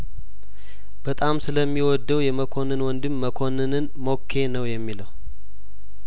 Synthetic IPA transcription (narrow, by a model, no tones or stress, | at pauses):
b̥ət̪ʼamsɨləmːiwɔd̪ːəwjɛməkʰo̞nɨnwɔnd̪ɨmːəkʰo̞nɨnɨnmo̞kʰːe̞nəwjɛmːiləw